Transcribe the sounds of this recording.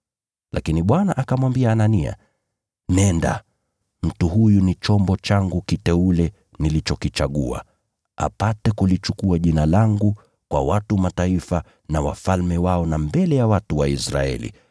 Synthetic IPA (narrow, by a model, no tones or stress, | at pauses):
lʔa̰kiniɓwanaʔakamwambiaːnania̰ | nɛnda̰ | m̩tuhujunit͡ʃɔmbɔt͡ʃaŋɡukitɛulɛ | nilit͡ʃɔkit͡ʃaɠua̰ | a̰patɛkulit͡ʃukuaʄinalaŋɡu | kwa̰watumataifa | nawa̰falmɛwaɔnambɛlɛjawatuwaisɾa̰ɛ̰lḭ